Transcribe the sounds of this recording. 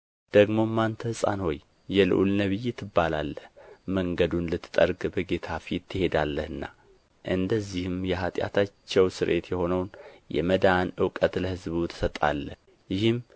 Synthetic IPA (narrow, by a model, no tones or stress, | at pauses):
d̪̥əɡmo̞mːant̪ʰəhɨsʼa̰nho̞jː | ɛlɨ̰ʔṵlnəβɨjːɛt̪ʰːɨbːalalːəhməŋɡəd̪unlɨt̪ʰːɨ̥t̪ʼəɾɡbəɡe̞t̪ʰafit̪ʰːɨhe̞d̪alːəhɨnːa̰ | ʔɨnd̪əzːihɨmjɛɦat̪ʼja̰t̪ʰat͡ʃːɛwsɨɾʔe̞t̪jɛho̞nəwnjɛ̰məd̪anɨwkʼət̪ləhɨzβut̪ʰɨ̥sət̪ʼa̰lːəh | jɪhɨm